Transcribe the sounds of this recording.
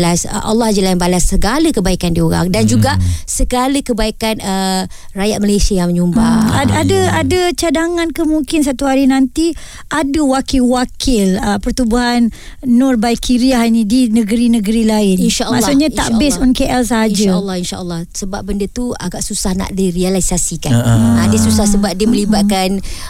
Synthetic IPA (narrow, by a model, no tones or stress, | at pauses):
lasʔa̰lːɑhd͡ʒəlainbalasːəɡaləkəbaikandioɾa̰ŋdand͡ʒuɡaʔsəɡaləkəbaikanə | rajat̪̚məlajsiajaŋməɲumbaaadəadət͡ʃadaŋãnkəmuŋkɪns̬at̪uɦaɾinant̪i | ʔadəwakɪlwakʰɪləpərt̪ubuɦanː | ɔrbajkʰiɾiahinidinəɡəɾinəɡəɾilaɪninʃaʔmã̰ʔsuʔɲãaʔbɪsunkeʔɛlsaɦad͡ʒəlːɑhinʃa̰ʔəlːɑhsəbap̚bəndət̪ua̰ɡaʔsusahna̰ʔdiɾialaisasikanadisusahsəbap̚diəmə̃libat̪̚kan